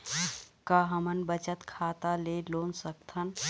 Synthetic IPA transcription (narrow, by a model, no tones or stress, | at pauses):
kaɦəmənbət͡ʃət̪kʰat̪alelonsək̚t̪ʰən